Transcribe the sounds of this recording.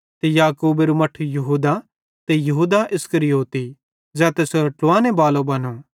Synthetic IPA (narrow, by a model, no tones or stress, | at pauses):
t̪ejaːkuːbeɾumɐʈʰujɐɦuːd̪a | t̪ejɐɦuːd̪aʔɪskəɾijoːt̪i | d͡ʒɛːt̪esoɾɐʈloaːnebaːlobɐnõː